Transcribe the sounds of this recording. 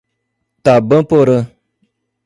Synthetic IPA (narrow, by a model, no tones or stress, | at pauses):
tabə̃poɾə